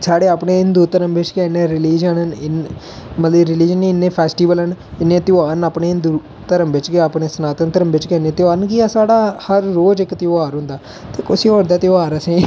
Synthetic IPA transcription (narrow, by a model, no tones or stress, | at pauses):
saːɽeːaːpɳeːɪnd̪uːɾt̪əɾəmbɪt͡ʃkɛːneːɾɪliːd͡ʒənnɪn | mət̪ləɾɪliːd͡ʒənɪnːẽːpʰɛːsʈiːʋəlɦənɪnːẽːt̪ɪaːɾnapɳeːɪnd̪u | t̪əɾəmbɪt͡ʃkeaːpɳeːsənaːt̪ənt̪əɾəmbɪt͡ʃkɛːnẽːt̪ɪaːnkiaːsaːɽaːhəɾːoːd͡ʒɪkt̪ɪaːɾɦʊ̃nd̪aː | t̪eːkʊsiːɔːɾd̪aːt̪ɪaːɾəsẽː